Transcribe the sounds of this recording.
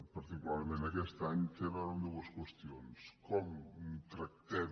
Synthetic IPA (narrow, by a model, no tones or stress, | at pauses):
pɐɾt̪ikulaɾmenɐkɛst̪aɲseβaund̪əwəskwəst̪ionskɔmunt̪ɾɐk̚t̪ɛ